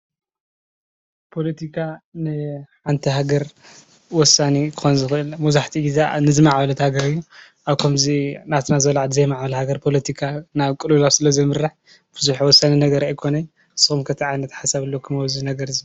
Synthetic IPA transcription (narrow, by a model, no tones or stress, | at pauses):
pʰo̞lɐt̪ʰikʰanɨħant̪ʰiɦaɡɐɾ | wɔsːanikʰɨxonzɨxɨʔɨlmuzaħt̪ʰiizanɨzɨmaʕbɐlɐt̪ʰhaɡɐɾɨjːu | ʔaβkʰɐmzinat̪ʰnazɐβlaʕad̪ɨzɐjmaʕbɐlhaɡɐɾpʰo̞lɐt̪ʰikʰanaβkʼɨlulaβsɨlɐzɐmɨɾːaħ | b̥ɨzuħiwɔsːaninɐɡɐɾajkʰo̞nɐj | ɨsɨxumkʰɐt̪ʰiʕajnɐt̪ħasaβɨlːokʰɨmɐβzinɐɡɐɾɨzi